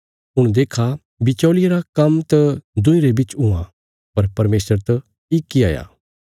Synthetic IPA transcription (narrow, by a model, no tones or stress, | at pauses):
ʊɽ̃d̪eːkʰa | bɪt͡ʃɔːlɪjaɾakɐmt̪ɐd̪ʊ̃ĩɾebɪt͡ʃʊ̃ã̰ | pɐɾpɐɾmeːsəɾt̪ɐ | ɪkːia̰ːja̰ː